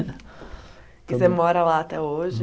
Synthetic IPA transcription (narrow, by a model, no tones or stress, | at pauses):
kɪsemɔɾɐlaat̪ɛoʒɪ